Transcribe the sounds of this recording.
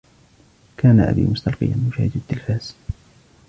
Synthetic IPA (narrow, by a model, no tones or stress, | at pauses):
kʰaːnaʔa̰bḭːmʊst̪ɑlqɨ̰janmʊʃaːhɪd̪ad̪ːɪlfaːz̥